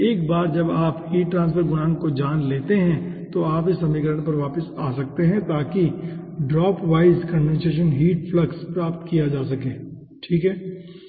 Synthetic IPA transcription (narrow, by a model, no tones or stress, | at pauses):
eːkbaːɾd͡ʒɐbaːphiːʈːɾãːns̬pʰəɾɡʊnaːnkod͡ʒaːnleːt̪eɦɛ̃t̪oaːpɪsɐmikəɾəñp̬ɐɾʋaːpəsaːsɐk̚t̪eɦɛ̃t̪aːki | ɖɾɔːpʋaːɪzkə̃ɳɖɛ̃nseːʃ̬ənɦiːʈflɐkspɾaːpt̪kijad͡ʒaːsɐkẽː | ʈʰiːkɦɛː